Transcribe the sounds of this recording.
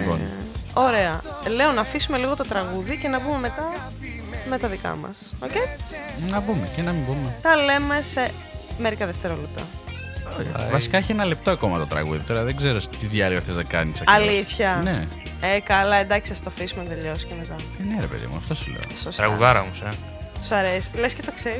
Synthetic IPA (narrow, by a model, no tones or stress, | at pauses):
bo̰n | o̞ɾe̞ɐ | le̞o̞nɐfisume̞liɣo̞t̪o̞t̪ɾɐɣuðice̞nɐbume̞me̞t̪ɐ | me̞t̪ɐðikɐ̰mɐ̰socej | nɐbumecenɐmimbumeθɐle̞me̞se | me̞ɾikɐðeft̪e̞ɾolep̚t̪ɐ̰ | oçvɐsi̥kɐeçienɐlep̚t̪oɐko̞mɐt̪ot̪ɾɐ̰ɣṵðit̪oɾɐðeɡzeɾost̪iðjɐlioθeznɐkɐ̰nisɐɐliθçɐne | ekɐlɐe̞nd̪ɐcçisɐst̪ofisumet̪eʎo̞si̥cemet̪ɐneɾepeðḭmuɐ̰ft̪osulḛo̰sost̪ɾɐɣuðɐɾɐmuse | sɐɾesi̥lescet̪o̞kseɾi